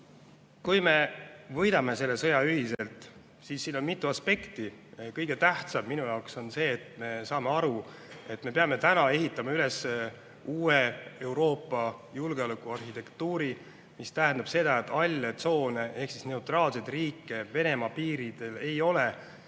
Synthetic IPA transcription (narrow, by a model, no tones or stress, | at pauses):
kujme̞vɤjd̪ɑme̞se̞lːe̞sɤ̞jɑyɦise̞lt̪ˑ | sisːiːno̞nmit̪ˑːuɑspe̞kt̪ikɤjɡe̞t̪æht̪sɑmːinujɑwkso̞nse̞ːt̪me̞sɑːme̞ɑɾu | e̞t̪ːˑme̞peɑme̞t̪ænɑe̞ɦit̪ːˑɑmɑyle̞se | uːee̞wɾo̞ːpːˑɑjulɡe̞olukːˑuɑrhit̪e̞kt̪uːɾi | mist̪æɦæ̃nd̪ɑb̥se̞d̪̥ɑet̪ːˑɑlʲːet̪so̞ːne̞ʔe̞hksisne̞ut̪rɑːlsejt̪riːkːˑe̞ve̞ne̞mɑpiːɾid̪̥e̞le̞jo̞le